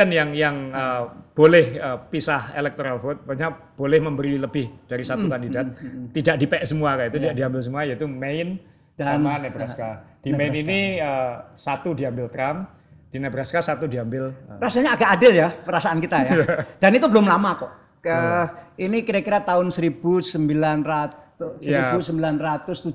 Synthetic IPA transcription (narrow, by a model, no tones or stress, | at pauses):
anjaŋjaŋəb̥olɛhəpisahḛlɛk̚t̪oɾalfot̪̚baɲab̥olɛhməmbəɾiwiləbɪhd̥aɾisat̪ukandidat̪̚ːidaʔ̚dipɛʔsəmuakaʔit̪ut̪idaʔdiambɪls̬əmuajait̪umeɪn | amanɛbɾaskad̥imeɪniniəsat̪udiambɪlt̪ɾam | d̥inɛbɾaskasat̪udiambɪləɾasaɲaːɡaʔːdɪljapəɾasaankit̪ajad̥anit̪ubəlʊmlamakɔʔ | kəinikiɾakiɾat̪aʊnsəɾibusəmbilanrat̪ | ʊsjaibusəmbilanrat̪ʊst̪u